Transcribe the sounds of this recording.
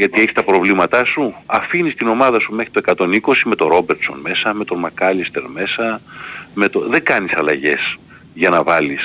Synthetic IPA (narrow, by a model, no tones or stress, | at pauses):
ʝɐt̪ie̞çi̥st̪ɐpɾo̞vlimɐt̪ɐsuɐfinist̪ino̞mɐðɐsume̞xɾit̪o̞ekɐt̪o̞niko̞sime̞t̪o̞ɾo̞beɾt̪so̞̰nme̞sɐme̞t̪o̞mɐkɐlist̪e̞ɾme̞sɐme̞t̪o̞ðe̞ɡɐnisɐlɐʝe̞s | ʝɐnɐvɐlis